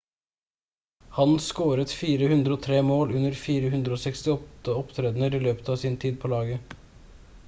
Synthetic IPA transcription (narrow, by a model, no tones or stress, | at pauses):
hɑnskoːɾət̪fiːɾəhʉnd̪ɾəoːt̪ʰɾeːmoːlʉnːəɾfiːɾəhʉnd̪ɾəoːsɛkst̪ɪɔt̪ːəɔpt̪ʰɾeːd̪nəɾiːløːpə̥t̪ɑːʋsɪnt̪ʰiːd̪̚pʰoːlɑːɡə